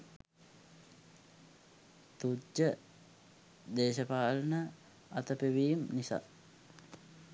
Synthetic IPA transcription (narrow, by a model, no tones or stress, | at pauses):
t̪ud͡ʒə | d̪eːʃəpaːlənə | at̪əpeʋiːmnisa̰ː